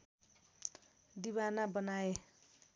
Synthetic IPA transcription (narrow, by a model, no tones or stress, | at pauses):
d̪iβanabʌnae